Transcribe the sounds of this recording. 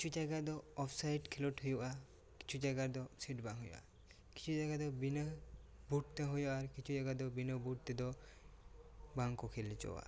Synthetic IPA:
kit͡ʃʰud͡ʒaɡad̪ɔɔpʰsajʈkʰelɔʈɦujuʔa | ki̥t͡ʃʰud͡ʒaɡad̪ɔsiʈbaŋɦojo̰ʔa̰ | ki̥t͡ʃʰud͡ʒaɡad̪ɔbinəbuʈ̚t̪eɦojɔaɾkit͡ʃʰud͡ʒaɡad̪ɔbinɔbuʈ̚t̪ed̪ɔ | baŋkɔkʰelit͡ʃɔ̰wa̰

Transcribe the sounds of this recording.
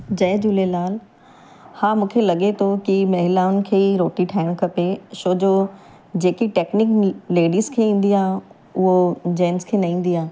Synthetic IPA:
d͡ʑɐːd͡ʑʊlelaːl | haːmũːkʰelɐɠet̪ʰokimɐɦɪlaːʊnɪ̆kʰeːiɾoːʈiʈʰaːɪɽ̃kʰɐpeʃoːd͡ʑoː | d͡ʑeːkiʈeːknɪkleːɖiːzkʰeːĩːn̆d̪iaːɦ | ʊɦod͡ʑeːnzkʰeːnɐĩːn̆d̪iaː

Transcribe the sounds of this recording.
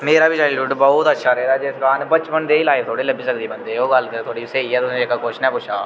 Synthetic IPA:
meːɾaːbɪt͡ʃaːɾiːlʊʈbɔːt̪ətːʃʰaːɾəɦeːd̪aːd͡ʒɪskaːnbət͡ʃpənd̪eːiːlaːɪft̪ʰoːɽeːləbiːsək̚d̪eːbənd̪eːoːɡəlt̪ʰoːɽiːseːiːɛːt̪ʊsẽd͡ʒekaːkʊt͡ʃʰnɛ̃ːpʊt͡ʃʰa̰ː

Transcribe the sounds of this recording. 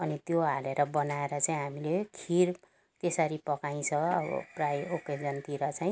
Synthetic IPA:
ʌnit̪joɦaleɾʌbʌnaeɾʌt͡saĩɦamilekʰiɾ | t̪esʌɾipʌkaj̃t͡sʰʌʌbʌ̰prajoked͡zʌnt̪iɾʌt͡saj̃

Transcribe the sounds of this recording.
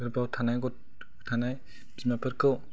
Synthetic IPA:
ɯɾpawtʰanajɡɔt | tʰanaj | bzimapʰɯɾkɯw

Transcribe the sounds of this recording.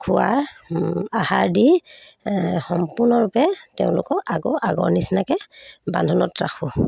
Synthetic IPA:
kʰuaɹ | ahaɹdi | xɔmpuɹnɔɹupɛtɛʊ̃lʊ̰kɔʔaɡɔʔaɡɔ̰ɹnisnakɛba̰ndʱɔnɔtɹaxʰʊ

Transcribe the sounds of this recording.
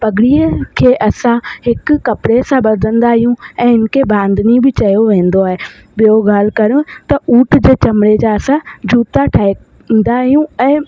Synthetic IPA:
pɐɡɪɽiəkʰeːʔɐsãɦɪkʊɐpɪɽesãbɐd̪ʱə̃nd̪aɦijũɛ̃ːɦɪnɪ̆kʰebãːnd̪nibɪt͡ɕɐjoʋẽːn̆d̪oaːɦe | ɓijoɡaːl̤kɐɾijõt̪ɐʔuːʈd͡ʑeːt͡ɕɐmɽed͡ʑaɐsãd͡ʑuːt̪aʈʰaːɪ | nd̪aɦijũɛ̃ː

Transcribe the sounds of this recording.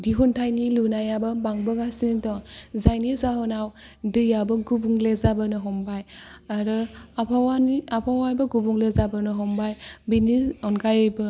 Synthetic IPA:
diɦuntʰajnilunajabɐbaŋbɯɡasinitɔzajnizaɦɔnaw | dɯjabɐɡubuŋlezabɯnɯɦɔmbajaɾɯapʰawaniapʰawajbɐɡubuŋlezabɯnɯɦɔmbajbiniɔnkʰajɔjbɯ

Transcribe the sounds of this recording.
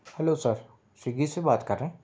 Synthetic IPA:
hɛlosəɾ | siɡisebaːt̪kɐɾːeẽː

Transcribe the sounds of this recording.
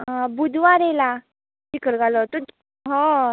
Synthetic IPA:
bud̪ʱʋaɾɛla | dikəlɡalɔt̪u | ɦɔ̃

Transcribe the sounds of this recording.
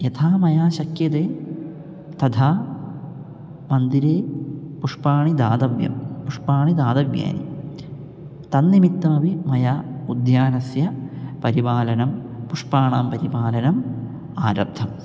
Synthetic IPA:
jet̪ʰaːmɐjaːɕɐkjɐd̪eː | t̪ɐd̪ʱaː | mɐnd̪iɾeːpuʂpaːɳid̪aːd̪ɐʋjɐ̰mpuʂpaːɳid̪aːd̪ɐʋja̰ːnḭ | t̪ɐnːimit̪ːɐɐʋimɐjaːud̪jaːnɐsjɐpɐɾibaːlɐnɐm | puʂpaːɳaːmpɐɾibaːlɐnɐm | aːɾɐb̚d̪ʰʱɐm

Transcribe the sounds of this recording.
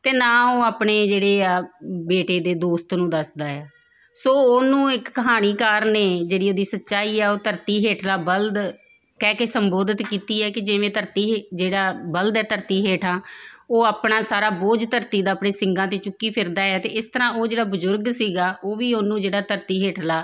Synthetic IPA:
t̪eːnãːoːaːpɳeːd͡ʒeːɽeːaːbeːʈeːd̪eːd̪oːst̪nũːd̪əsd̪aːaː | soːoːnũːɪkːəɦaːniːkaːɾneːd͡ʒeːɽiːoːd̪iːsətːʃaːiːɛːoːt̪əɾt̪iːɦeːʈʰlaːbəld̪ | kɛːkesəmboːd̪ət̪kiːt̪iːɛːkɪd͡ʒɪʋẽːt̪əɾt̪iːd͡ʒeːɽaːbəld̪ɛːt̪əɾt̪iːɦeːʈʰãːoːaːpɳãːsaːɾaːboːd͡ʒt̪əɾt̪iːd̪aːpɳeːsɪŋɡãːt̪eːt͡ʃʊkːiːpʰɪɾd̪aːɛːt̪eːɪst̪əɾãːoːd͡ʒeːɽaːbəzʊɾɡsiːɡaːʔoːʋiːoːnũːd͡ʒeːɽaːt̪əɾt̪iːɦeːʈʰlaː

